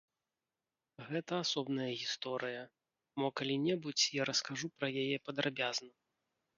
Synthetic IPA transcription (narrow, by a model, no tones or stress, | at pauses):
ɣɛt̪ɐasɔbnɐjɐɣʲist̪ɔɾɨjɐ | mɔkalʲinʲɛbut͡sʲjaɾɐskaʐupɾɐjajɛpɐd̪ɾabʲaznɐ